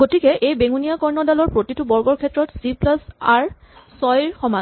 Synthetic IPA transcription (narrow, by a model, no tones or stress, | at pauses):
ɡotikɛʔejbeŋunijakɔɹnɔdalɔɹpɹotitubɔɹɡɔɹkʰɛtɹɔtsiplasaɹ | sɔjɹxɔma